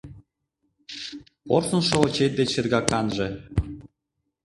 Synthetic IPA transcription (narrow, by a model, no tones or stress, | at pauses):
porsɤ̆nʃŏŏt͡ɕet̪̚d̪et͡ɕĕrɣɑkɑnʒĕ